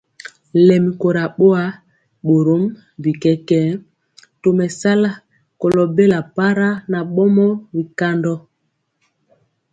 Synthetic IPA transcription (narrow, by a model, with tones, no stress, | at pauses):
lɛ˨mi˨ko˨ɾa˨ɓo˦a˦ | ɓo˨ɾo˦m˦ | bi˨kɛ˦kɛ˦ | to˨mɛ˨sa˦la˦ | ko˨lɔ˨be˦la˨pa˦ɾa˦na˨ɓɔ˦mɔ˦bi˨ka˦ndɔ˦